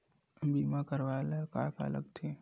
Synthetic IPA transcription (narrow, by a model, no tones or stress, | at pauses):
biːmakəɾʋaləka̰ːka̰lə̰ɡt̪ʰe